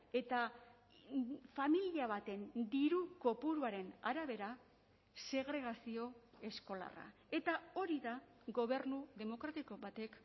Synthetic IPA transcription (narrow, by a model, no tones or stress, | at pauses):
e̞t̪a | familiaβ̞at̪e̞nd̪iɾuko̞puɾuaɾe̞naɾaβ̞e̞ɾa | se̞ɣɾe̞ɣ̞asio̞ | e̞sko̞la̰ra̰ | e̞t̪ao̞ɾiða | ɣo̞βe̞ɾnuðe̞mo̞kɾat̪iko̞βat̪e̞k